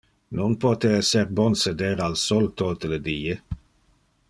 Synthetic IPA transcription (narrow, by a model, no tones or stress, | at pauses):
nunpot̪eɛserbɔnsed̪eːɾalsɔlt̪ot̪əled̪iːe